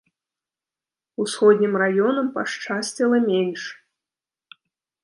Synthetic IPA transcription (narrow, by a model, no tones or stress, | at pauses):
usxɔd̪ʲnʲimrajɔnɐmpaʂt͡ʂasʲt͡sʲilˠɐmʲenʲʂ